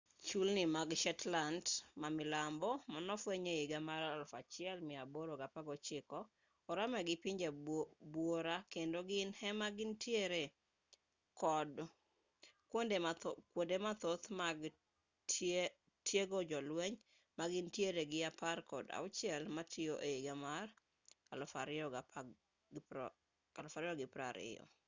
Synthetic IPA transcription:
t͡ʃulnɪmaɡʃɛtlandmamɪlambɔmanɔfweɲeiɡamaɾalfat͡ʃɪɛlmɪaboɾoɡapaɡɔt͡ʃɪkɔː | ɾamɛɡɪpɪɲd͡ʒebwoɾakendoɡɪnhɛmaɡɪntjeɾe | kɔd | kondekwondemat̪ot̪maɡ | t | tʰjeɡod͡ʒɔlwɛɲ | maɡɪntjeɾeɡɪaparkɔda̰ʊt͡ʃɪɛlmatʰɪjoʔeiɡamar | alɔfaɾɪɔa | alɔfaɾɪɔɡɪpɾa̰ɾɪ̰jɔ̰

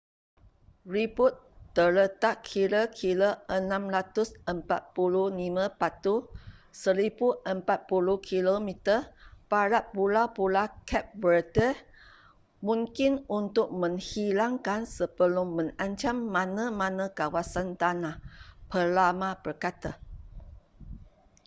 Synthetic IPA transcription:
ribut̪ːələt̪aʔkkʰiɾəkʰiləʔənãmɾat̪ʊsəmpat̪̚pulunimãpat̪usəɾibuʔəmpat̪̚pulukʰilomit̪əpaɾat̪̚pulapulakʰɛp̚wərdə | mũŋkɪnunt̪ʊk̚mə̃ŋhilaŋkansəbəlʊmːə̃ŋaɲt͡ʃamːãnãmãnãkawasant̪anahpəlamãb̥ərkat̪a

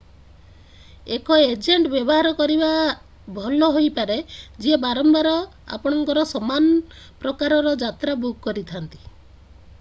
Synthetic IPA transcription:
ekɔed͡ʒeɳʈbjɔbɔɦaɾɔkɔɾiba | bʱɔlɔɦojpaɾed͡ʒiebaɾɔmbaɾɔ | a̰pɔɽ̃ɔŋkɔɾɔsɔmanɔ | pɾɔkaɾɔɾɔd͡ʒat̪ɾabukkːɔɾit̪ʰant̪i̥

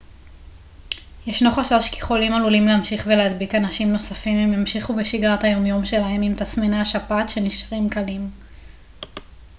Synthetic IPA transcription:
jeʃno̞χaʃaʁʃki̥χolimalulimleamʃiχvelead̪bikanaʃimno̞safimemjamʃiχubeʃiɡʁat̪hajo̞mjo̞mʃe̞laɦe̞mimt̪asmenaaʃapatʃe̞niʃʁimkalim

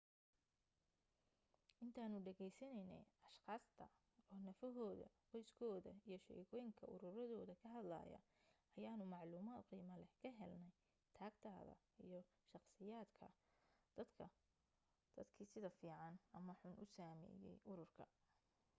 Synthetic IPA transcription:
ʔɪnt̪ʰaːnʊɖɛɣɛjsɐnɛjnɛ̰jɐʃqɑːst̪ʰɐ | ɔːnɐfɐɦɔːðɐ̰qɔjskʰɔːðɐ̰ijɞʃɛ̰ːɣɔːjɪŋkʰɐʔʊɾʊɾɐðɔːðɐkʰɐɦɐd̪lɐ̰ːjɐ̰ | ɐjaːnʊmɑʕluːmaːd̪qiːmɐlɛkʰɐɦɛlnɛj | t̪ʰaːɡt̪ʰaːðɐ̰ | ijɞ | ʃɑqsɪjaːd̪kʰɐ̰d̪̥ɐd̪ʰɐ | d̪̥ɐd̪kʰiːsɪðɐfiːʕɑnɐmɐħʊnʔʊsaːmɛ̰ːjɛ̰jʔʊɾʊrkʰɐ

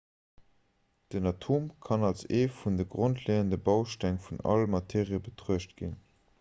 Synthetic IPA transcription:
d̥ənɑtʰoːmkʰɑnɑlseːfundəɡʁontʰleːəndəbɑʊʃtæŋfunɑ̰lmɑtʰeːʁiəbətʁ̥uəʃtɡ̥ḭn

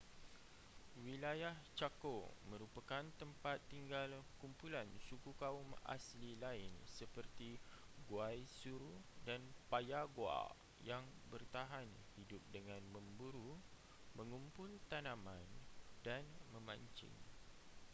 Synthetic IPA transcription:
wilajaht͡ʃakomə̃ɾupakant̪əmpat̪ːiŋɡalkumpulansukukauma̰slilaɪnsəpərt̪i | ɡwajsuɾudanpajaɡwa̰ | jaŋbərt̪aɦan | hidʊp̚dəŋãnmə̃mbuɾu | mə̃ŋumpʊlt̪anãmãndanmə̃mãɲt͡ʃɪ̰ŋ

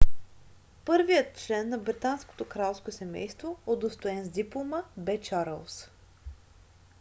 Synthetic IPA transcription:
pɤɾvijət̪̚t͡ʃlɛnːɐbɾit̪ansko̥t̪okɾalˠskosɛmɛ̰jst̪vood̪ost̪oɛnzd̪iplˠoməbɛt͡ʃaɾə̰lˠs

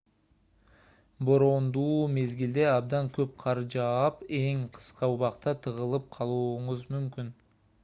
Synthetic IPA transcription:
bo̞ɾo̞nd̪uːme̞zɡild̪e̞ɑb̚d̪ɑŋkøp̚qʰɑɾd͡ʒɑpe̞ŋqʰɯ̥sqɑuβɑqt̪ɑt̪ʰɯʁɯlˠɯp̚qʰɑlˠuːɴuzmymkyn

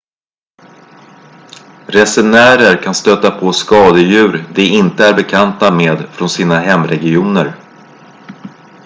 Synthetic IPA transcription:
ɾɛsɛnæːɾəɾkʰanst̪øːt̪apʰoskɑːd̪əjʉ̟ːɾd̪ɛɪnt̪əæɾbɛkʰant̪ameːd̪fɾɔnsiːnaɦɛmːɾɛɡɪuːnəɾ

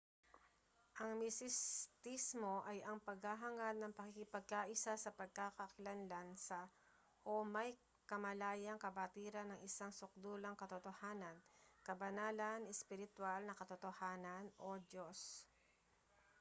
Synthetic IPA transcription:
ʔɐŋmɪsɪst̪ismoʔɐjɐŋpɐɡ̚haɦɐŋanːɐŋpɐkikɪpɐɡ̚kaʔɪsasɐpɐɡ̚kakɐkɪlanlansɐ | ʔomɐj | kɐmɐlaːjɐŋkɐbɐt̪iɾɐnɐŋɪsaŋsʊk̚d̪uːlɐŋkɐt̪ot̪ohaːnɐnkɐbɐnaːlɐnɛspɪɾɪt̪walnɐkɐt̪ot̪ohaːnɐnʔod͡ʒos

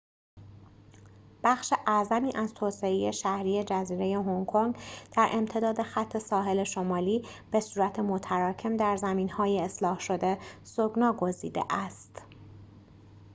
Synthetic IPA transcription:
b̥æxʃe̞ʔæzæmiːʔæz̥t̪ʰoːse̞eje̞ʃæhɾiːje̞d͡ʒæziːɾe̞je̞ɦoŋkʰoŋɡd̪̥æɾʔe̞mt̪ʰe̞d̪ɒːd̪e̞xæt̪ʰːe̞sɒːɦe̞le̞ʃo̞mɒːliːb̥e̞suːɾæt̪ʰe̞mot̪ʰæɾɒːcʰe̞md̪æɾzæmiːnhɒːjeːslɒːhʃo̞d̪e̞soɡnɒːɡo̞zḭːd̪ḛʔæst̪

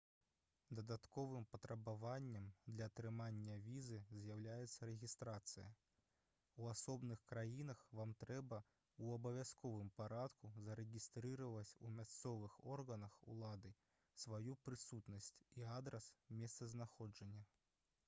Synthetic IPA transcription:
d̪ɐd̪at̪kɔvɨmpɐt̪ɾɐbavanʲːɐmd̪lʲɐːt̪ɾɨmanʲːɐvʲizɨzʲjawlʲajɛt̪sːɐɾɛɣʲist̪ɾat̪sɨjɐ̰ | uasɔbnɨxkɾajinɐxvamt̪ɾɛbɐ | uɐbɐvʲaskɔvɨmpaɾat̪kuzɐɾɛɣʲist̪ɾɨɾɐvɐt͡sʲṵmʲast̪sɔvɨxɔrɣɐnɐxṵlˠad̪ɨ | svajupɾɨsut̪nɐsʲt͡sʲiad̪ɾɐsmʲɛst̪sɐznaxɔd͡ʐɐnʲːɐ

